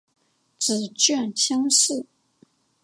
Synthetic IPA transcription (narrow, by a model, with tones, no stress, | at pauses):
t͡sɹ̩˨˩t͡ɕɥɛ˥˩nt͡ɕʰi˥ŋʂ̩˥˩